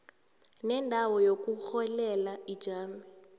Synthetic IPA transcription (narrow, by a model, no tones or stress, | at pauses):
nɛndʱawɔjok̬uxɔlɛlaid̥ʒ̥ʱaːmɛ